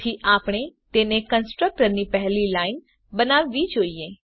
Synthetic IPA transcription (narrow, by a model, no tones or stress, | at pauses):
iʔaːpɽ̃et̪eːnẽkə̃nsʈɾək̚ʈəɾnipɛɦlilaːɪn | bənaːʋːid͡ʒoːiẽ